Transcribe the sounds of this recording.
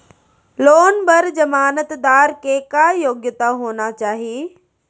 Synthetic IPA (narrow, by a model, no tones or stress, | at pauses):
loːnbɐɾd͡ʑɐmaːnət̪d̪aːɾkekajoːɡjət̪aɦoːnat͡ɕaːɦieː